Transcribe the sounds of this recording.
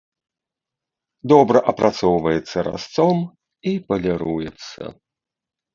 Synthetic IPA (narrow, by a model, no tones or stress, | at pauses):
d̪ɔbɾɐʔɐpɾʔat̪sɔwvɐjɛt̪sːɐɾa̰st̪sɔm | ipɐlʲɛɾujɛt̪sːɐ̰